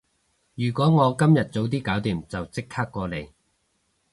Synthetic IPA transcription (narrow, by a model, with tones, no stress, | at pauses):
jyː˨˩kʷɔː˨˥ŋɔː˨˧kɐ˥mjɐ˨t̚t͡so˨˥wt̪̬iː˥kaː˨˥wt̪iː˨˩mt͡sɐ˨wt͡sɪ˥k̚ʰaː˥kːɔː˧le˨˩j